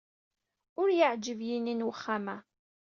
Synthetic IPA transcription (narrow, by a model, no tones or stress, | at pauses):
ʊɾjəʕd͡ʒəvjininwəχːamæ